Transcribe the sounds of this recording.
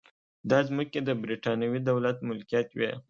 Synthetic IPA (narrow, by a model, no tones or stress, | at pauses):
d̪ɑzməked̪əbɾiʈɑnjawid̪awlat̪mʊlkijɑt̪we